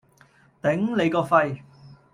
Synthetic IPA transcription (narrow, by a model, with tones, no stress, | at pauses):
t̪ɪ˨˥ŋle˨˧jkɔː˧fɐ˧j